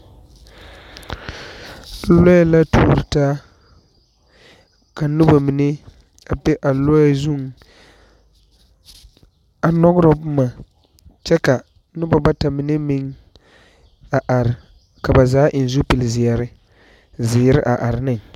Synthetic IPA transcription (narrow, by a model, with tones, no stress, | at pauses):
lɔ˦ja˦˨la˦tuː˦ɾɪ˨taː˦ | ka˨nu˦ba˨mi˨ne˦ | a˨bɛ˦ʔa˨lɔ˦˨zu˦ŋ | a˨nɔ˦ɡʊ˦ɾɔ˨pʊ˦ma˨ | t͡ʃɛ˦ka˨ | nʊ˦ba˨ba˦ta˨mi˨ne˦mi˦ŋ | a˨ʔa˨ɾɪ˨ | ka˨ba˨zaː˨˦ʔɪ˨n˨zu˦pi˨lzɪ˨a˨ɾɪ˦ | zɪː˨˦ɾɪ̰˦ʔa˨ʔa˨ɾɪ˨nɨ˦ŋ